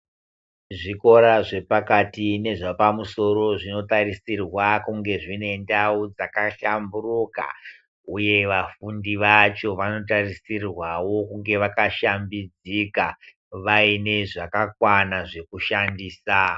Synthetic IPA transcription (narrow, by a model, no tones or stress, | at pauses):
ʐiko̞ɾaʐe̞pakatine̞ʐapamuso̞ɾo̞ʐino̞tarisirwakuŋɡe̞ʐine̞ndaud͡zakaʃamburuka̰ | uje̞ʋafundiʋat͡ʃo̞ʋano̞t̬arisirwawo̞kuŋɡe̞ʋakaʃambid͡zika | ʋaine̞ʐakakwanaʐe̞kuʃandiːsa